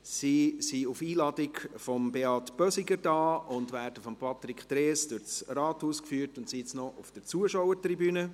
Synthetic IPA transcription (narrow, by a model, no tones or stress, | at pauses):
sisiʊfiːlɑd̥ɪkfɔmbeɑtb̥œsɪɡəɾd̥ɑːʊndʋæːɾd̥əfɔmpʰɑt̪ɾikχt̪ɾeːsd̥ʊʁt͡srɑːthuːskfyːtʊntsit͡snɔʔʊfd̥əɾt͡suəʃowətribyːnə